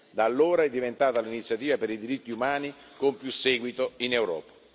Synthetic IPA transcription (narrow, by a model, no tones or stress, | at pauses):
d̪aːlːoːɾaɛd̪ːivent̪aːt̪alinit̪sːjat̪iːvapeɾid̪iɾit̪ːiumaːnikompjusːɛːɡwit̪oinewɾɔ̰ːpḁ